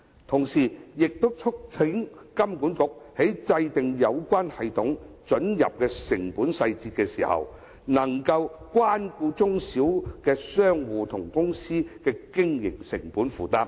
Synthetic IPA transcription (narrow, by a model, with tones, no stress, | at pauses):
t̪ʰʊ˨˩ŋsiː˨˩jɪ˨k̚t̪o˥wt͡sʰʊ˥k̚t͡sʰɪ˨˥ŋ | kɐ˥mkuː˨˥nkʊ˨k̚he˨˥jt͡sɐ˧jt̪ɪ˨ŋjɐ˨˧wkʷaː˥nhɐ˨jt̪ʰʊ˨˥ŋ | t͡sɵ˨˥njɐ̰˨p̚kɛː˧sɪ˨˩ŋpuː˨˥nsɐ˧jt͡siː˧tkɛː˧siː˨˩hɐ̰˨w | nɐ˨˩ŋkɐ˧wkwaː˥nkuː˧t͡sʊ˥ŋsiː˨˥wkɛː˧sœː˥ŋwuː˧t̪ʰʊ˨˩ŋkʊ˥ŋsiː˥kɛː˧kɪ˥ŋjɪ̰˨˩ŋsɪ˨˩ŋpuː˨˥nfuː˨˩t̪aː˧p̚